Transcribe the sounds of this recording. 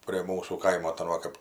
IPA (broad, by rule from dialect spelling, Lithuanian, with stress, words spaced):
pʲrʲiɛ ˈmuːsuː ˈkɐɪmoː tɐ ˈʋɐ kɐp